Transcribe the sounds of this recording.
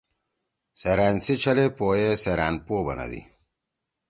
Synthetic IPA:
seɾaːnsit͡ɕʰɐlepoːjeseɾa̰ːnpoːbɐ̰nɐ̰d̪ḭ

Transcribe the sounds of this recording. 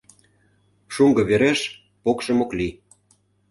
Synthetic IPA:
ʃuŋɡɤ̆βeɾeʃ | pokʃə̆mokli

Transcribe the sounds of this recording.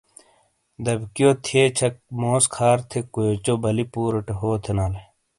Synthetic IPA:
d̪ɐbkijoːt̪ʰieːt͡ɕʰɐk̚moːskʰaːɾt̪ʰekoet͡ɕobɐlipuːɾɐʈeɦoːt̪ʰenaːle

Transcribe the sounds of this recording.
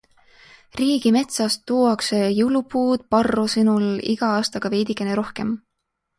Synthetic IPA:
riːɡ̥ime̞t̪sɑst̪ːuːɑksejulupuːd̪̥̚pɑrːosinulḭɡ̥ɑɑːst̪ɑɡ̥ɑve̞jd̪ikːˑeneɾo̞hke̞m

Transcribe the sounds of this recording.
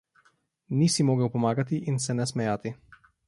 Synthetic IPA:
nisimoːɡəwpɔmaːɡat̪iʔinsɛnɛsmɛjaːt̪i

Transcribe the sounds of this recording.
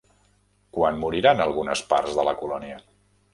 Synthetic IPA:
kwanmuɾiɾanəlˠɣunəspa̰ɾzðələkulɔniə

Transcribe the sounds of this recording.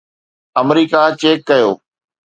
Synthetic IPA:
əmɾiːkat͡ʃeːkːɐjo̰ː

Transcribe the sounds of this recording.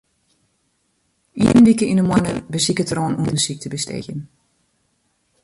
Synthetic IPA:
ḭːnʋikəinəmwanəbəsikətroːnuəndəsik̚təbəstʰḛxjən

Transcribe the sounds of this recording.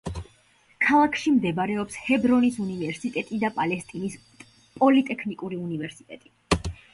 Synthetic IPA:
kʰalˠakʰʃimd̪ɛbaɾɛɔpshɛbɾɔnisunivɛɾsit̪ʼɛt̪ʼid̪apʼalɛst̪ʼinis | pʼɔlit̪ʼɛkʰnikʼuɾiunivɛɾsit̪ʼɛt̪ʼi

